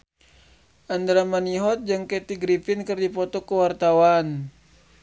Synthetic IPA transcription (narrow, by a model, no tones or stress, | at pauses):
ʔandɾamaniɦɔt̪̚d͡ʒɨŋkɛt̪iɡɾifinkɨrdipɔt̪ɔkəwart̪awan